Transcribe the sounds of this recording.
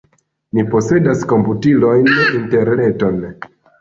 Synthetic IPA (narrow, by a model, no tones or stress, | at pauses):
nipo̞se̞dasko̞mputilo̞jninte̞ɾne̞to̞n